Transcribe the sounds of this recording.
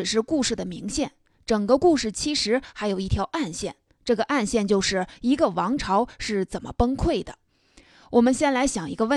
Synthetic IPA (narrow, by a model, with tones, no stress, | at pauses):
ɻ̩˨˩ʂɻ̩˥˧ku˥˧ʂɻ̩˥˩d̪ə˩mi˧˥ŋɕjɛ˥˩n | ʈ͡ʂɤ˨˩ŋɡə˦ku˥˧ʂɻ̩˥˩t͡ɕʰi˧˥ʂɻ̩˧˥xa˧˥ɪjo˨˩ʊi˥˩t̪ʰjɑ˧˥ʊʔa˥˧nɕjɛ˥˩n | ʈ͡ʂɤ˥˩ɡə˩ʔa˥˧nɕjɛ˥˧nt͡ɕjo˥˧ʊʂɻ̩˥˩i˧˥ɡə˧wɑ˧˥ŋʈ͡ʂʰɑ˧˥ʊʂɻ̩˥˩t͡sə˨˩nmʔə̰˦pə˥ŋkʰwe˥˩ɪd̪ə˩ | wʔɔ˨˩mə˦nɕjɛ˥˩nla˧˥ɪɕjɑ˨˩ŋi˧˥ɡə˧wə˥˩